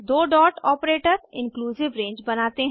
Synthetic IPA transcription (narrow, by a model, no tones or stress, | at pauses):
d̪oːɖɔːʈɔːpɾeːʈəɾɪ̃nkluːzɪʋɾẽːɲd͡ʒbɐnaːt̪eɦ